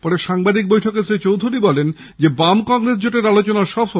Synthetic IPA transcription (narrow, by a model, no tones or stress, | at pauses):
pɔɾeʃaŋbad̪ik̚bojʈʰokesɾet͡ɕowd̪ʱuɾibɔlen | d͡ʑebamkɔŋɾes̬d͡ʑoʈeɾalot͡ɕonaʃɔbo